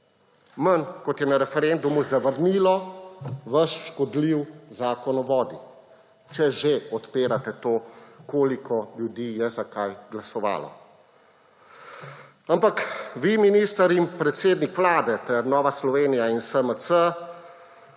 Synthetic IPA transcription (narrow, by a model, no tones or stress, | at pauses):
mənkɔt̪jɛnaɾɛfɛɾend̪umuzɐʋəɾniːlɔ | ʋɐʃʃkɔd̪liwzaːkɔnɔʋɔːd̪i | t͡ʃɛʒeɔt̪peːɾat̪ɛt̪oːkoːlikʰɔljud̪iːjɛzakajɡlasɔʋa̰ːlɔ̰ | ampakʋiminiːst̪əɾimpɾɛt̪seːd̪nikʋlaːd̪ɛt̪ɛɾnɔːʋaslɔʋeːnijainsəməsə